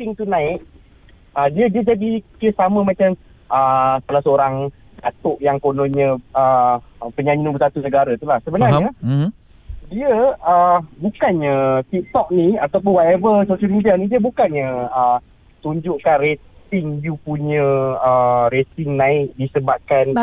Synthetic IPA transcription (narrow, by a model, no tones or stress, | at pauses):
t̪ɪŋt̪unãɪʔ̚ | ədiədiəd͡ʒadikiəsaməmãt͡ʃam | ʔəsalahsəoɾaŋ | dat̪ʊʔjaŋkonoɲə̃əpəɲaɲinubəsat̪unəɡaɾat̪ulahsəbənarɲa | diəəbukanɲət̪ik̚t̪ɔk̚niat̪awp̬ʊnwat̪ɛvəsoʃəlmidianidiəbukanɲəə | t̪uɲd͡ʒʊʔkanret̪ɪŋjupuɲə̃əɾet̪ɪŋnãɪk̚disəbap̚kan